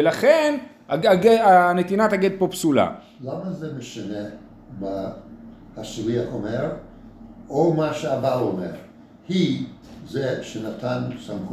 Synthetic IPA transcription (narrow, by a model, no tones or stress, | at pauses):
elaχen | aaɡeanet̪inat̪aɡed̪̚po̞psula̰ | lamazemeʃane | ma | hasuviaχomeʁ | omaʃeabaomeʁ | hizeʃenat̪ʰansamχ